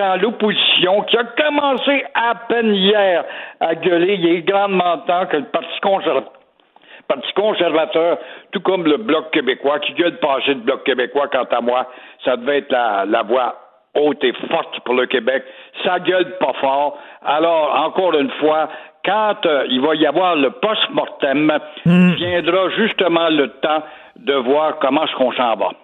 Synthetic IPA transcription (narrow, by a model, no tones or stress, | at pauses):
ãlopozisjɔ̃kʲiakɔmɑ̃seapɛnijɛːʁaɡœlelɛɡʁɑ̃d̪mɑ̃ːt̪ãkələpaʁt̪t͡si̥kɔ̃ɛ | paʁt̪t͡si̥kɔ̃sɛʁvat̪œːʁt̪ukɔmləblɔkːebekwakʲiɡœlpɑ̃ːsed̪blɔkːebekwakɑ̃t̪amwasad̪əvɛɛːt̪lalavwa | ot̪efɔʁt̪puʁləkʲebɛk̚saɡœlpafɔːʁalɔːʁɑ̃kɔːʁynfwakɑ̃t̪ilvaiavwaːʁləpɔst̪mɔʁt̪ɛm | vjɛ̃d̪ʁaʒyst̪əmɑ̃lət̪ã | d̪əvwaːʁkɔmɑ̃sə̥kɔ̃sɑ̃ːva̰